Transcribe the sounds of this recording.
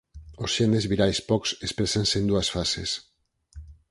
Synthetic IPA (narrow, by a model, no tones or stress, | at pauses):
osʃenezβiɾajspɔksespɾesansend̪uasfasḛs